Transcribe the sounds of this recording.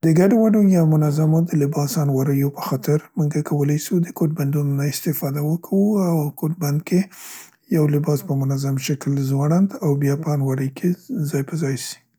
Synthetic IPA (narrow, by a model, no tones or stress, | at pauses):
d̪əɡaɖowaɖojɑmʊnazamod̪əlɪbɑsɑnwaɾəjopə̥xɑt̪ɪɾmuŋɡakʰawəlajsud̪əkoʈ̚band̪unonaɪst̪ɪfɑd̪awəkʰawuawkoʈ̚band̪̚kʰe | jawlɪbɑspəmʊnazamʃaklzwɑɽand̪awbjɑpəɑnwaɾəjkʰezɑjpəzɑjsi̥